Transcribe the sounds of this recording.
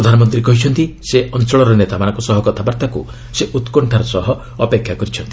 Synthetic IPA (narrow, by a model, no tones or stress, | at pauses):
ɾɔd̪ʱanɔmɔnt̪ɾikɔɦit͡ʃʰɔnt̪iseʔɔnt͡ʃɔɭɔɾɔnet̪amanɔ̃ŋkɔsɔɦɔkɔt̪ʰabaɾt̪akṵ | seʔut̪kɔɳʈʰaɾɔsɔɦɔː | pekʰjakɔɾit͡ʃʰɔnt̪i̥